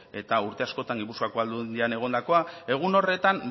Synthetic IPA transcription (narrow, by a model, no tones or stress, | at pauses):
e̞t̪auɾt̪e̞asko̞t̪aŋɡipuskakoald̪und̪iane̞ɣ̞o̞nd̪ako̞ae̞ɣ̞uno̞re̞t̪am